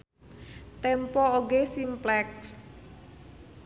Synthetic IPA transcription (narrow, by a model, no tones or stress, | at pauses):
t̪ɛmpɔoɡesimplɛks